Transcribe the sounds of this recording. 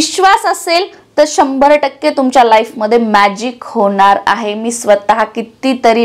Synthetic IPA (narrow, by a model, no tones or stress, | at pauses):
ɕʋasəsel | t̪əɾɕəmbʱəɾʈəkːet̪umt͡ɕjalajfməd̪ʱːjemæd͡ʑikhoɳ̃aɾa̰ɦemiːsʋət̪aɦakit̪iːt̪əɾi